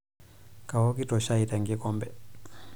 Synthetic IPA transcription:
kawɔkitɔʃaitaŋɡikɔmbɛ

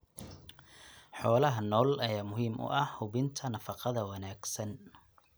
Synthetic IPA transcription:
ħɔːlɐɦɐnɔːlɐjaːmʊɦiːmʔʊ̰ʔɐhhʊβɪnt̪ʰɐnɐfɑqɑðɐwɑnaːɡsɐn

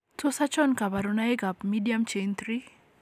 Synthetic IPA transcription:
tosat͡ʃɔnkabaɾonaeɡapmidiamt͡ʃent̪ɾi

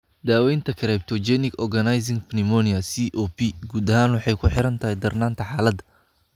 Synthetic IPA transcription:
d̪aːwɛjnt̪ʰɐkʰɐɾɛjb̚t̪ʰɔd͡ʒɛnɪkɔrɡɐnajs̬ɪŋɡpʰnɪmɔniɐsiʔɔːpʰiɡuːd̪ɐɦaːnwɑħɑjkʰʊħɪɾɐnt̪ʰɐɦɛjd̪ɐrnaːnt̪ʰɐħaːlɐd̪

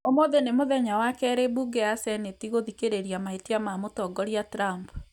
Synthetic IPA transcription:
omoðenemoðɛɲawakɛɾebuɡeasɛnetiɣoðikeɾeɾjamaetiamamotɔɡɔɾiatɾamp

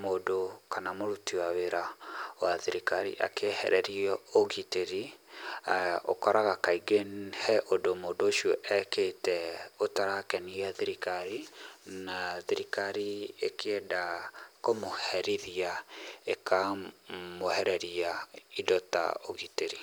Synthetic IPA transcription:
modokanamoɾutiwaweɾawaðiɾikaɾḭʔa̰kʰehɛ̰ɾɛɾiɔoɣiteɾi | o̰kɔɾaɣakaiɡenhɛʔodomodoːʃiɔʔɛketɛotaɾakɛniaðiɾikaɾinaðiɾikaɾiḛkʰeɛdakomohɛɾiðiaeka | mohɛɾɛɾiaidɔta̰oɣiteɾi

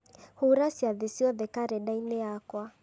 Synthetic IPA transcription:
huɾasiaðisiɔðɛkaɾɛɗainɛakwa

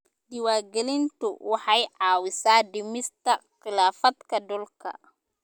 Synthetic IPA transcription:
dɪwaːrɡɛlɪnt̪ʰʊ̰wɑħɑjʕɑːwɪsaːdɪmɪst̪ʰɐqɪlaːfɐd̪kʰɐɖʊlkʰɐ̰

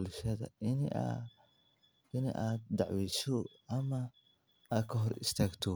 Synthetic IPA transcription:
lʃɐðɐ̰ɪn̰ | ɪnɐ̰ʔaːd̪̚d̪ɑʕwɛjsɔ | ɐmɐ | aːd̪̚kʰɐɦɔɾɪ̰st̪ʰaːɡt̪ʰɔ

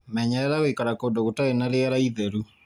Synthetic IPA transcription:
mɛɲɛɾɛɾaɣoikaɾakoːdoɣotaenaɾeaɾaiðɛɾu

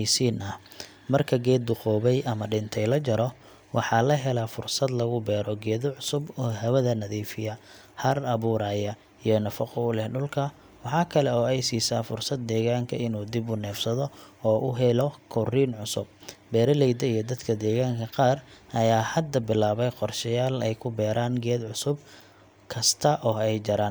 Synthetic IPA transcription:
siːnɐ | mɐrkʰɐɡɛːd̪ːʊqɔːβɛjʔɐmɐɖɪnt̪ʰɛjlɐt͡ʃɐɾɔ | wʔɑħɑːlɐɦɛlafʊrsɐd̪lɐɣʊbɛːɾɔɡɛːðɔʕʊsʊbɔːɦɐwɐðɐnɐðiːfɪjɐ | hɐrɐβuːɾaːjɐ | ijɔnɐfɐqɔʊlɛhɖʊlkʰɐ | wɑħɑːkʰɐlɛɔːɛjsiːsaːfʊrsɐd̪̚ːɛːɣaːŋkʰɐ̰ɪnuːd̪ɪbʊnɛːfsɐðɔɔːʔʊɦɛlɔkʰɔriːnʕʊsʊ̰b̚bɛːɾɐlɛjd̪ɐijɞd̪ɐd̪kʰɐd̪ɛːɣaːŋkʰɐqɑːrʔɐjaːhɐd̪ɐbɪlaːβɛjqɔrʃɐjaːlɛjkʰʊbɛːɾaːnɡɛːd̪ʕʊsʊb | kʰɐst̪ʰɐʔɔːɛjd͡ʒɐɾaːn

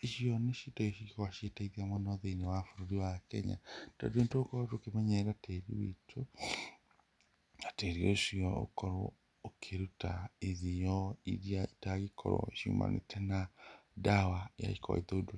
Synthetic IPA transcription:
iʃiɔneʃitɔiʃikɔwaʃetaiðiamɔnɔðeinewafoɾoɾiwakɛ̰ɲa̰d̥ɔ̰dentoːkɔotokemɛɲɛɾateɾiwḛtʰo | ateɾio̰iʃiɔo̰kɔɾo | okʰeɾutaeðijɔḭɾiaitaɣikʰɔ̰ɾɔ̰ʃṵmʔa̰nḛtʰɛnadawaja̰ikɔa̰ḭðodo

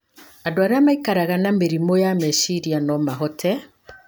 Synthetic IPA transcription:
adoaɾamaikaɾaɣanameɾimojamɛʃiɾianɔmaɦɔtʰɛ

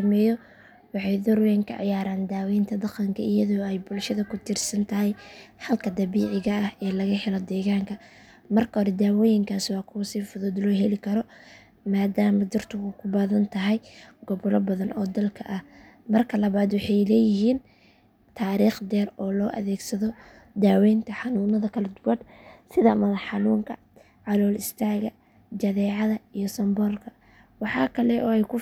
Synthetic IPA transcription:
sɐmɛːjɔ | wɑħɑjd̪ɔɾwɛːŋkʰɐ̰ʕɑ̰jaːɾaːnd̪aːwɛjnt̪ʰɐd̪ɑqɐŋkʰɐʔɪjɐðɔːɛjbʊlʃɐðɐkʰʊt̪ʰɪrsɐnt̪ʰɐɦɛjhɐlkʰɐd̪ɐβiːʕɪɣɐɐhɛːlɐɣɐhɛlɔd̪ɛːɣaːŋkʰɐ | mɐrkʰɐɾɛd̪aːwɔːjɪŋkʰaːswɑːkʰʊɣʊsiːfʊðʊd̪lɔːɦɛlɪkʰɐɾɔ | maːd̪aːmɐd̪ʊrt̪ʰʊɣʊkʰʊbaːðɐnt̪ʰɐɦɛjɡɔβlɔbɐðɐnʔɔːd̪ɐlkʰɐʔɐh | mɐrkʰɐlɐβaːd̪wɑħɑjlɛːjɪɦiːn | t̪ʰaːɾiːχd̪ɛːrɔːlɔːʔɐ̰ðɛːɡsɐðɔ | d̪aːwɛjnt̪ʰɐħɑnuːnɐðɐkʰɐlɛd̪ʊwɐd̪sɪðɐmɐlħɑnuːŋkʰɐ | ʕɑlɔːlɪst̪ʰaːɣɐ | d͡ʒɐðɛːʕɑðɐijɔsɐmbɔːrkʰɐ | wɑħɑ̰ːkʰɐlɛʔɔːɛjkʰʊ

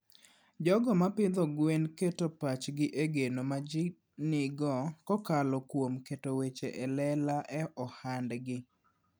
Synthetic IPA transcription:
d͡ʒɔɡɔmapɪd̪ɔɡwenketopat͡ʃɡɪʔeɡenomad͡ʒɪ | nɪɡɔkɔkalɔkwomketowet͡ʃeʔɛlɛlaʔɛʔɔhandɡɪ

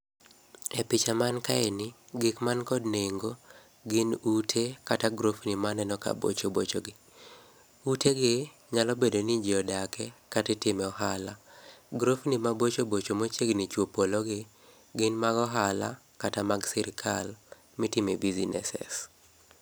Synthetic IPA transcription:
ɛpɪt͡ʃamankaenɪɡɪkmankɔdneŋɡo | ɡɪnutʰekataɡɾofnimanɛnɔka̰bo̰t͡ʃobot͡ʃoɡɪ | uteɡɪ | ɲalɔbedonid͡ʒiɔdakʰɛkatɪtɪmɛɔɦalaɡɾofnimabot͡ʃobot͡ʃomot͡ʃeɡnɪt͡ʃwopolɔɡɪ | ɡɪnmaɡɔɦala̰ | katamaɡsɛɾɪkʰal | mɪtimebizinɛ̰sɛ̰s

